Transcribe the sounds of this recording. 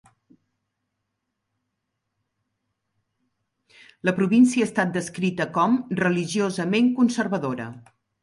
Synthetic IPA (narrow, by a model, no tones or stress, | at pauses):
ləpɾuβinsiəːst̪at̪̚d̪əskɾit̪əkɔmrəliʒiozəmeŋkunsərβəðoɾə̰